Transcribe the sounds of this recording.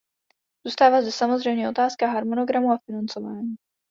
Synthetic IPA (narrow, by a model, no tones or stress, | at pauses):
z̥uːst̪aːvazd̪ɛsamozr̝ɛjmɲɛo̞t̪aːskaɦaɾmono̞ɡɾamuafɪnant͡so̞vaːɲiː